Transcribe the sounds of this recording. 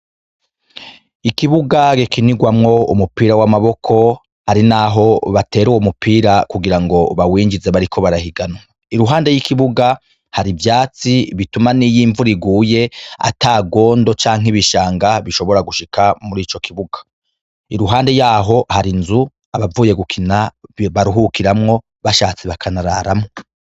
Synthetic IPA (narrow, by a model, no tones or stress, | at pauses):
ikiβuɡaɡikiniɡwamŋo̞ṵmupiːɾawamaβo̞kʰo̞ | haɾinaɦo̞βate̞ːɾuwumupʰiːɾakuɡiɾaŋɡo̞βawiːɲd͡ʒize̞βaɾikʰo̞βaɾahiɡana | iɾuɦaːnde̞jikiβuɡa | haɾivjaːt͡siβitumanijiːɱvuɾiɡuːje̞a̰taːɡo̞ːndo̞t͡ʃaːŋɦeβiʃaːŋɡaβiʃo̞βo̞ɾaɡuʃikʰamuɾiːt͡ʃo̞kʰiβuɡḁ | iɾuɦaːnde̞jaːɦo̞haɾinzu | aβavuːje̞ɡukʰinaβaɾuɦukiɾamŋo̞ | βaʃaːt͡siβakʰanaɾaːɾamŋo